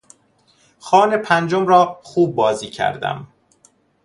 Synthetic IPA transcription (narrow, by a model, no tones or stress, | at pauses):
xɒːne̞pʰænd͡ʒomɾɒːxuːb̚ːɒːziːcʰæ̰ɾd̪æ̰m